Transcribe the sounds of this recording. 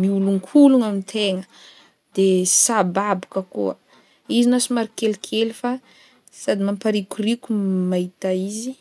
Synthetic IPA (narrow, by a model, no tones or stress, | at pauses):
miuluŋkʰuluŋamint̪ʰeŋə | d̪̥esababu̥kəkṵa̰ | izinasumaɾikelikʰelifa | sad̪imampaɾikurikumait̪aizi